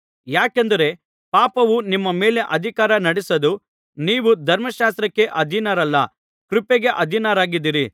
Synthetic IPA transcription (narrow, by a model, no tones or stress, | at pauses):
jaːkend̪ɐɾe̞ | paːpɐʋunimːɐme̞ːle̞ʔɐd̪ʱikaːɾɐnɐɽɛsɐd̪u | niːʋud̪ʱɐɾmɐʃaːst̪ɾɐkːe̞ʔɐd̪ʱinaːɾɐlːɐ | kɾupeɡe̞ʔɐd̪ʱinaɾaːɡid̪iːɾi